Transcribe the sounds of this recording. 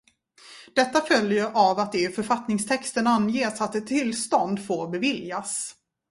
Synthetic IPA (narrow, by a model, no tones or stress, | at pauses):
d̪̥ɛt̪ːafœljəɾʔavat̪̚d̪ɛfœɾfat̪nɪŋst̪ʰɛkst̪ənanːjeːsat̪ːɛt̪ʰːɪlst̪ɔnd̪foːɾbɛvɪljas